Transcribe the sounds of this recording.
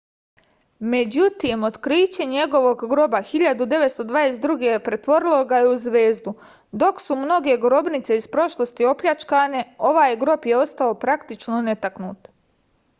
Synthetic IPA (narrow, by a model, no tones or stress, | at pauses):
me̞d͡ʑut̪imo̞t̪kɾiːt͡ɕeɲe̞ɡo̞ʋo̞ɡɡɾo̞baxiʎad̪ud̪e̞ʋet̪st̪o̞d̪ʋaːd̪esɾuɡepɾe̞t̪ʋo̞ɾilˠo̞ɡajeuzʋe̞ːzd̪u | d̪o̞ksumno̞ɡe̞ɡɾo̞bnit̪se̞ispɾo̞ʃlˠo̞st̪io̞pʎʲat͡ʃkaːne̞o̞ʋaːjɡɾo̞pje̞o̞st̪ao̞pɾakt̪it͡ʃno̞ne̞t̪aknṵːt̪